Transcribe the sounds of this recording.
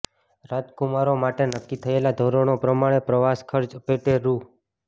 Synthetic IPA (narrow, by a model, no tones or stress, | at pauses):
ɾat̪kumaɾomaʈenəkːit̪ʰəelad̪ʱoɾoɳ̃opɾəmaɽ̃epɾəʋaskʰəɾd͡ʒəpeʈeɾu